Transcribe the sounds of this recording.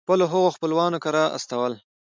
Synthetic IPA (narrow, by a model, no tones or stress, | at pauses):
pəloɦʊɣoxpəlwɑːnokaɾɑʔa̰st̪awəl